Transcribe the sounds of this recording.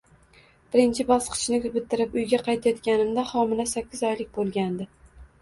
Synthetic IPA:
b̥ɪɾɪnt͡ʃʰɪbɒsqʰɨ̥t͡ʃnɪkʲbɪt̪ʰːɪɾɪpʊjɡʲaqʰɑjt̪ʰajɒt̪kʲanɪmd̪ahɒmɪlasakʲːɪzɒjlɪk̚ʲbolˠɡʲand̪ɪ

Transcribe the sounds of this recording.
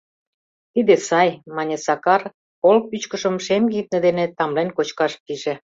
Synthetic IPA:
t̪id̪esɑjmɑnʲesɑkɑr | kolk̚pyt͡ɕkə̆ʃə̆mʃemɡit̪̚nĕd̪enet̪ɑmlenkot͡ɕkɑʃpiʒe

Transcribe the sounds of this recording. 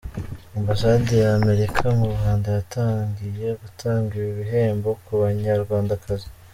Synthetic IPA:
imbasadijaːme̞ɾikʰamuβuhaːndajatʰaːŋɡije̞ɡutʰaːŋɡijiβiɦe̞ːmbo̞kuβaɲaɾɡwaːndakʰazi

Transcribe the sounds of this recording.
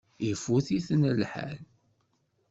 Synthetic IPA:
ifuθiθnəlħa̰l

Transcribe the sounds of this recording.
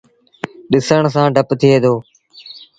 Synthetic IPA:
ɗɪsəɳ̃s̬ãːɖʱəpt̪ʰɪeːd̪oː

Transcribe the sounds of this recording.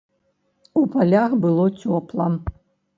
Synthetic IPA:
upalʲaxbɨlˠɔt͡sʲɔplˠɐ

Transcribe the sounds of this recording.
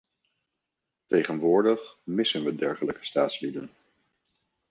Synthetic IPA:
tejχənʋʊːɹdəχmɪsənʋədɛɹχələkə̥staːtslidə̰n

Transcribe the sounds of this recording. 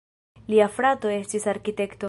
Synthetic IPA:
liafɾato̞e̞stisaɾkite̞kto

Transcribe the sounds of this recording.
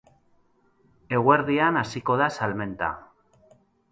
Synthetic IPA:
e̞ɣweɾðianasiko̞ðasalme̞nt̪a̰

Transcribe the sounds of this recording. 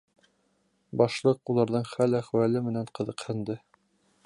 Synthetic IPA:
bɑʃlˠɤqulˠɑɾðɤɴχælæχwælɘmɘ̆næɴqɤ̆ðɤ̆qhɘ̆nd̪ɘ

